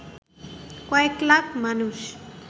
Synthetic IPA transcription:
kwajklakmanuʃ

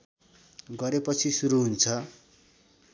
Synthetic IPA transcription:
ɡʌɾepʌt͡sʰisuɾuɦunt͡sʰʌ

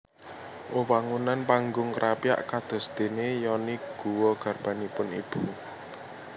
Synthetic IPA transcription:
ʔowaŋunanpaŋɡʊŋkəɾʔapia̰ʔkad̪̥ɔ̤sd̪̥e̤nejɔniɡ̥ṳwɔɡ̥a̤rb̥a̤nipʊnib̥ṳ

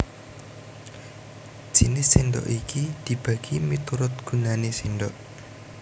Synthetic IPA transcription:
ʒ̥inɪsːiɳɖɔ̰ʔikid̪̥i̤b̥ä̤ɡ̥imit̪uɾʊt̪̚ɡ̥ṳnanesinɖɔʔ

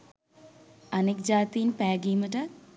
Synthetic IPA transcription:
anekd͡ʒaːt̪ijinpæːɡiːməʈə

